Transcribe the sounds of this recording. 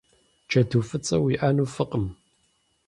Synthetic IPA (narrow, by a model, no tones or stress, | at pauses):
t͡ʃʰɐtʰuːfɨt͡sʼɐwiʔaːnuːfɨqʼəm